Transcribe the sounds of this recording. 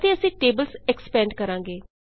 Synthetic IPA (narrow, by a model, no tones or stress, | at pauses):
t̪eːəsĩːʈeːbəlsɛkspɛ̃ːɳɖkəɾãːŋɡeː